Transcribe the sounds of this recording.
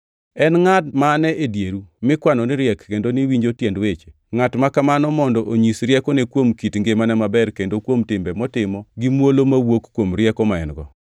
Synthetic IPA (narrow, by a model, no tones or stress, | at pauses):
ɛnŋatmaːnɛʔedjeɾumɪkwanɔnɪɾjɛkːendoniwiɲd͡ʒotjɛndwet͡ʃe | ŋatmakamanɔmɔndɔʔoɲisɾjɛkɔnekwomkitŋɡemanɛmabɛrkendokwomtɪmbɛmɔtɪmɔɡimwolomawokkːwomɾjɛkɔmaɪ̰nɡɔ